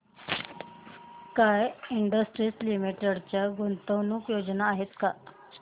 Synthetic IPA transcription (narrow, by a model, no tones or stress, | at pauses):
kajiɳɖəsʈɾislimiʈəɽt͡ɕjaɡont̪əʋnukjod͡znaːɦet̪ka